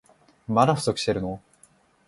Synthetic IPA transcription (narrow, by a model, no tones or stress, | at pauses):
mad̪aɸɯ̟so̞kɯ̟ɕi̥t̪eɾɯ̟no